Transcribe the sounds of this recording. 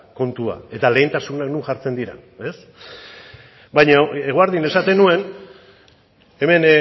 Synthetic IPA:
ko̞nt̪ua̰e̞t̪ale̞ːnt̪asunaknuŋʝaɾt͡se̞nd̪iɾa̰e̞s | bajɲaeɣ̞oaɾðine̞sat̪e̞nue̞n | e̞me̞n

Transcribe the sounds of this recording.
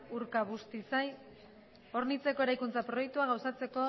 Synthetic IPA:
uɾkaβ̞ust̪isaj | o̞ɾnit͡se̞ko̞e̞ɾajkunt͡sapɾo̞je̞k̚t̪uaɣ̞awsat͡se̞ko̞

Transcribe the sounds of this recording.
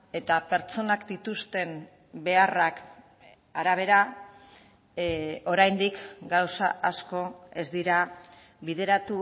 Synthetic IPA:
e̞t̪ape̞ɾt͡so̞nakd̪it̪ust̪e̞m | be̞arak | aɾaβ̞e̞ɾa | o̞ɾajnd̪ikɡawsaʔasko̞e̞zd̪iɾa | βiðe̞ɾat̪u

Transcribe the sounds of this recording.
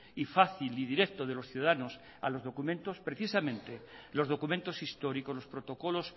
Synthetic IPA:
ifaθiliðiɾekt̪oð̞e̞lo̞sθjuðaðanos | a̰lo̞zð̞o̞kumẽnt̪o̞spɾe̞θisamẽnt̪elo̞zð̞o̞kumẽnt̪o̞sist̪o̞ɾiko̞zlo̞spɾo̞t̪o̞ko̞lo̞s

